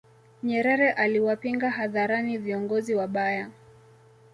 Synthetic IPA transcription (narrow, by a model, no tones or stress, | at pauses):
ɲɛɾɛɾɛʔaliwapiŋɡaɦaðaɾaniviɔŋɡɔziwaɓaja